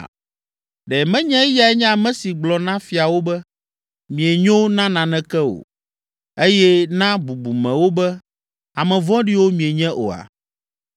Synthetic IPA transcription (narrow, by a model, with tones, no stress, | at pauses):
ɖɛ˨mɛ̃˦ɲɛ̃˦ja˨ɛ˦ɲɛ̃˦a˨mɛ̃˨˦si˨ɡ͡blɔ˨nã˦fi˨a˨wo˦bɛ˦ | mĩ˨e˨ɲõ˦wnã˦nã˨nɛ̃˦kɛ˦o̰˨ | e˦jɛ˦nã˦bu˨bu˨mɛ̃˨wo˦bɛ˦ | a˨mɛ̃˨vɔ̃˦ɖi˦wo˦mĩ˨e˨ɲɛ̃˦ʔo̰˨a̰˨